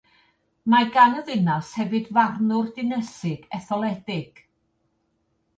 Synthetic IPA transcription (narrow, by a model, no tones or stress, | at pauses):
maɡanəðɪnashɛvɨdvarnʊrdɨnɛsɪɡɛθɔlˠɛdɪɡ̥